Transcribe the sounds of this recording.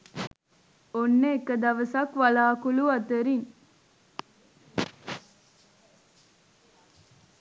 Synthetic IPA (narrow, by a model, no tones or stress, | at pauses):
onːeːkəd̪ɐʋəsɐkʋalaːkuluɐt̪eɾiŋ